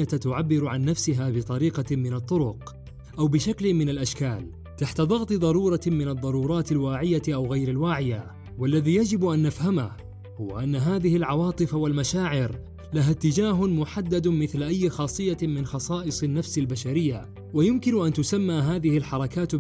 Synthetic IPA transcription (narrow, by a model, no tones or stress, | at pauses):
at̪t̪ʊʕabːɪɾʊʕanːafsɪɦaːbɪt̪ˤɑɾiːqɑmɪnɑt̪ˤːʊɾʊq | ʔawbɪʃaklɪmɪnalʔaʃkaːl | t̪aħt̪aðˤɑɣt̪ˤɨðˤɑɾˤuːɾˤɑmɪnɑd̪ˤːɑɾˤuːɾˤɑːt̪alwaːʕɪjaʔawɣajɾɪlwaːʕɪja | walːaðiːjad͡ʒɪbʔanːafhamah | hʊwa̰ʔanːaɦaːðɪhɪlʕɑwɑːt̪ˤɨfawalmaʃaːʕɪɾ | laɦat̪ːɪd͡ʒaːɦʊmʊħad̪ːad̪mɪθlʔajːxɑːsˤɨjːamɪnxɑsˤɑːʔɨsˤɪnːafsɪlbaʃaɾɪjːa | wajʊmkɪnʊʔant̪ʊsamːaːɦaːðɪhɪlħɑɾˤɑkaːt̪